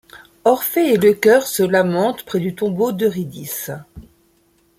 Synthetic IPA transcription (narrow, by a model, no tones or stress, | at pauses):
ɔʁfɛeləkʲœʁsəlamɑ̃t̪pχɛd̪yt̪ɔ̃bod̪əʁid̪is